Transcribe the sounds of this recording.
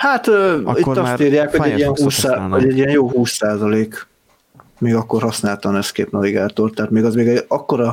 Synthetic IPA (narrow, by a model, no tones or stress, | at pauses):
hat̪øːit̪ːɒsiːɾjaːkhoɟɛɟijɛnɦuːshoɟɛɟijɛnjoːɦuːsːaːzɒleːk | meːɡɒkːorɦɒsnaːlt̪ɒnɛskḛːpnɒviɡaːt̪o̞rt̪ɛɦat̪meːɡɒzmeːɡɛɒkːo̞ɾɒ